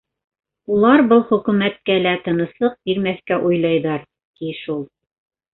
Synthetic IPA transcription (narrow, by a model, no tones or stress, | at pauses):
ulˠɑɾbɤlˠχɵ̆kʉ̆mæt̪̚kælæt̪ɤ̆nɤ̆slˠɤq̚biɾmæθkæʔujlˠɑjðɑɾ | t̪iʃulˠ